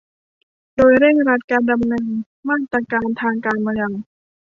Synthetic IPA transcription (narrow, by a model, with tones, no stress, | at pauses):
doː˧jɾe˥˩ŋɾa˦˥t̪̚kaː˧nda˧mnɤː˧n | maː˥˩k̚t̪ːɾaː˧kaː˧nt̪ʰaː˧ŋkaː˧nmaː˧ja˧ŋ